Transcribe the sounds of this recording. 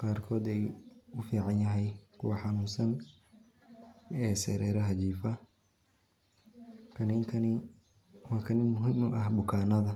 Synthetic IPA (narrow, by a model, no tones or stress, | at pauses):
qɑːrkʰɔːd̪ɛjʊfiːʕɑnjɐɦɛjkʰʊ̰wɑħɑnuːnsɐn | ɛːsɛːɾɛːɾɐɦɐt͡ʃiːfɐ | kʰɐnɪŋkʰɐnɪ | wɑːkʰɐnɪnmːʊɦɪmʊʔɐhbʊkʰaːnɐðɐ